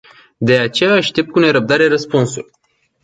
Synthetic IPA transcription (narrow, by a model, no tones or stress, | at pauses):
d̪e̞at͡ʃe̞jaːʃt̪e̞p̚t̪kune̞ɾəp̚d̪aɾe̞rəspunsulʲ